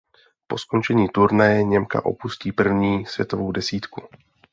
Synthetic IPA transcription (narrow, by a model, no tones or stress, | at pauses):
po̞sko̞nt͡ʃɛɲiːt̪uɾnajɛɲɛmka̰ʔo̞̰pusciːpr̩vɲiːsvjɛt̪ovo̞wdɛsiːt̪ku